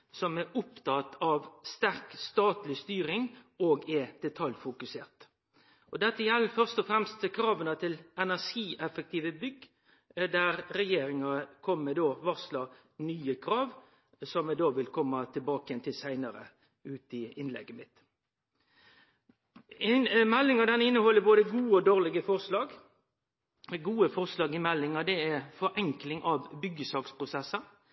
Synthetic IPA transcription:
sɔmæʔʊpt̪ɑt̪ɑʋst̪æʁkst̪ɑːt̪lɪst̪yːɾɪŋoːɡɛd̪̥ɛt̪ʰɑljfʊkʉseːʁt̪ | ʔɔd̪ɛt̪ːəjɛlːəfœʁst̪ɔfɾɛmst̪kʰɾɑːʋənət̪ʰɪlɛnæʂiːʔɛfək̚t̪iːʋəbʏɡ | d̪æɾɾɛjeːɾɪŋɑkʰɔmːəd̪oːʋɑʁslɑ | nyːəkʰɾɑːʋ | sɔmːɛd̪oːʋɪlkʰɔmːɑt̪ʰɪlbɑːkəjɛnt̪ʰɪlsæɪnəɾə̰ | ʉːt̪ɪɪnlɛ̰ɡːəmɪt̪ | ɪmɛlːɪŋɑd̪ɛnɪnːəhɔlːəboːd̪əɡuːəɔd̪oːʁlɪɡəfɔʁslɑːɡ | ɡuːəfɔʁslɑːɡɪmɛlːɪŋɑd̪ɛæfɔɾʔɛŋklɪŋʔɑʋbʏɡəsɑːkspʰʁʊsɛsːən

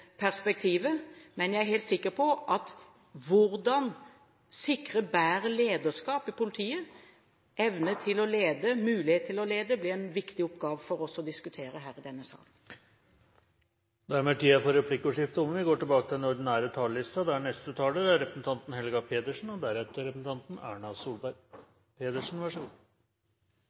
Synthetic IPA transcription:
pʰæɾspɛk̚t̪ʰiːʋəmɛnjæɪæɾheɪlt̪sɪkːəpʰɔʔɑt̪ | ʋʊɾd̪ɑn | sɪkɾəbæːɾəleːd̪əʂkɑːpɪpʊlɪt̪ʰiːə | ɛʋnət̪ʰɪlɔleːd̪əmʉːlɪheːt̪t̪ʰːɪlɔleːd̪əblɪɛnʋɪkt̪ɪɔpɡɑːʋəfɔɾɔsɔd̪ɪskʉt̪ʰeːɾəɦæːɾɪd̪ɛnːəsɑ̰ːlən | d̪ææɾmeːʈʰiːɑpɔɾɛpʰlɪkːʊʂɪft̪əɔmənʋɪɡoːʈɪlbɑːkət̪ʰɪlɛnɔɾɖ̪ɪnæːɾət̪ʰɑːllɪst̪ɑd̪æɳɛst̪ət̪ʰɑːləɾæɾɛpɾəsn̩t̪ɑnt̪n̩hɛlɡɑpʰeːt̪əʂɳ̩ɔd̪æɾɛt̪əɾɛpsn̩t̪ʰɑnt̪n̩æːɳɑsuːlbæɾ | pʰeːd̪əʂn̩ʋæʂuː

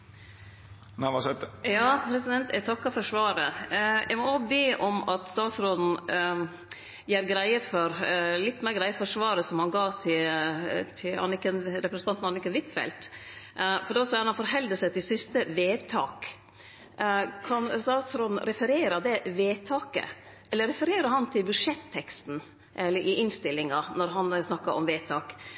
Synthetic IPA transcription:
næʋɑsɛt̪jɑːpʰɾɛsɪd̪ɛnt̪ʰæt̪ʰɑkːɑfɔʂʋɑːɾəjʔæɪmɔobeːʔɔmɑt̪st̪ɑːt̪sɾoːd̪n̩ | jæːɾɡɾæɪəfɔɾlɪt̪ːmæɾɡɾæɪəfɔʂʋɑːɾəsɔmhɑnɡɑːt̪ʰɪ | t̪ʰɪɑ̰nɪkːɛnɾɛpɾɛsn̩ɑnt̪nɑnɪkːənʋɪt̪fɛ̰lt̪ | fɔɖɛsɔɾɑnɑnfɔɾɦɛld̪əsɛt̪ɪlsɪst̪əʋeːt̪ʰɑːk | kʰɑnst̪ɑːt̪sɾɔd̪n̩ɾɛfəɾeːɾəd̪ɛʋeːt̪ʰɑːkə̰ | ʔɛlːəɾɛfəɾeːɾəɾɦɑnt̪ʰɪlbʉʂɛt̪ʰːɛkst̪n̩ | ʔɛlːəɾʔɪʔɪnst̪ɪlːɪŋɑnɔɾɦɑnsnɑkːɑɾʔɔ̰mʋeːt̪ʰɑːk

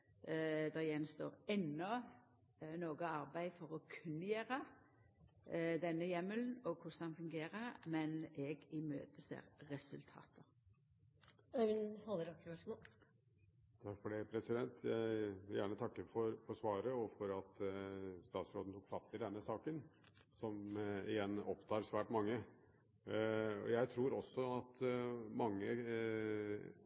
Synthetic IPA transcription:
d̪ɛʁjɛnst̪o̰ːʁɛnːɔ | noːɡəɑɾbæɪfɔɾɔkʰʉnːəjeːɾə | d̪ɛnːəjɛmːəln̩ɔkʰʊsd̪ɑnfʉŋɡeːɾəmɛnɛɡɪmø̰ːt̪əsḛːʁʁɛsʉlt̪ʰɑ̰ːt̪ə | œʋɪnhɔlːəɾɑkːʋɑʂmo | t̪ʰɑkfɔɖɛpʰɾɛsɪd̪ɛnt̪ʰjæɪʋɪljæːɳət̪ʰɑkːəfɔɾfɔʂʋɑːɾəɔfɔɾɑt̪ | st̪ɑːt̪sɾoːd̪n̩t̪uːkfɑt̪ːɪld̪ɛnːəsɑːkən | sɔmɪjɛnːɔpt̪ʰɑːɾsʋæːʈmɑŋːə | ɔ̰jæɪt̪ʰɾuːɾɔsːɔɑt̪mɑŋːə

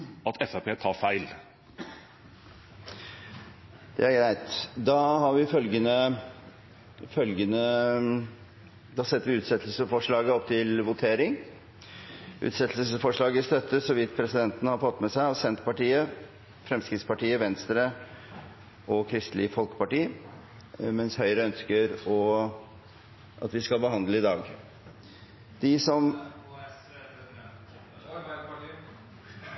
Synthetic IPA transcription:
ɑt̪ʰɛfæpʰeːt̪ʰɑːfæɪl | d̪̥ɛ̰æɾɡɾæɪt̪d̪ɑːhɑɾʋɪfœlɡənə | fœlɡənə | d̪ɑsɛt̪ːəɾʋɪʉːt̪sɛt̪ʰlsəfɔʂɭɑːɡəɔpːt̪ʰɪlʋʊt̪ʰeːɾɪŋ | ʔʉ̰ːt̪sɛt̪ʰl̩səfɔʂɭɑːɡəɪst̪œt̪ːəsɔʋɪt̪ːpʰɾɛsɪd̪ɛnt̪ənəhɑɾfɔt̪ːmɛsæɪɑʋsɛnt̪pʰɑʈiːə | fɾɛmskɾɪt̪spɑʈiːəʋɛnst̪ɾə | ʔɔkʰɾɪst̪lɪfɔlkə̥pɑʈiː | mɛnshœʏɾəœnskəɾɔ | ʔɑ̰t̪ʋɪskɑlbəɦɑnd̪ləɪd̪ɑːɡ | d̪̥ɪsɔm

